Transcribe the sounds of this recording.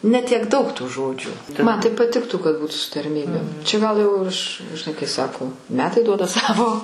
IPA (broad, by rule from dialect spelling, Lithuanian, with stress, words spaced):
nʲɛ tʲiɛk ˈdɐʊk tuː ˈʒoːd͡ʒʲuː mɐn tɐɪ pɐˈtʲɪktuː kɐt ˈbuːtʊ sʊ tɐrʲˈmʲiːbʲeːm t͡ʃʲɛ ˈɡɐlˠ jɛʊ ˈɐʃ ʒʲɪˈnɐɪ kɐɪ ˈsɑːkoː ˈmʲæːtɐɪ ˈduɔdɐ ˈsɑːʋoː